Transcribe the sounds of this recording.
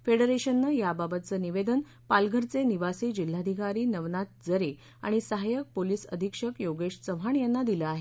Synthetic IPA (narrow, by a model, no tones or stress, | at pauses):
feɽəɾeɕənːəjababət̪t͡səːniʋed̪ən | palɡʱəɾt͡seniʋasiːd͡ʑil̤ːad̪ʱikaɾiːnəʋnat̪̚d͡zəɾe | a̰ɽ̃isəɦajək̚poliːsə̰d̪ʱikʂəkjoɡeʂt͡səʋɦaɳjanːad̪iləaɦe